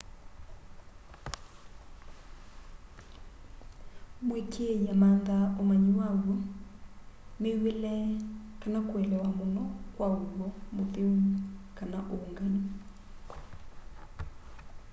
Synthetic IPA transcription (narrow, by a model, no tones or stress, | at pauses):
mwekʰeejamandaomaɲiwaɡo | mewelɛkanakwɛlɛwamonɔkwaolɔmopemkanaʔoŋɡaɲo